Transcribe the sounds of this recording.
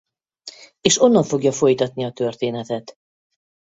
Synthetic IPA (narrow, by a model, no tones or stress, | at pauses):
eːʃo̞nːɒɱfo̞ɡjɒfo̞jt̪ɒt̪niɒt̪ø̞rt̪eːnɛt̪ɛt̪